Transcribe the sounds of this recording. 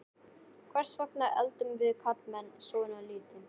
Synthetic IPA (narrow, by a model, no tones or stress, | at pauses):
kʰvɛɾ̥svœhknaɛ̰lt̪ʏmvɪðkʰaɾt̪mɛnːsɔːɪnaðliːt̪ɪ